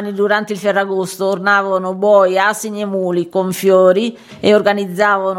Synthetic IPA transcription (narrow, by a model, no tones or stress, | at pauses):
nːid̪uɾant̪eilfɛrːaɡost̪oːrnaːvanʊbɔːjasiɲemuːlikoɱfjɔːɾi | eorɡanid̪zːaːvan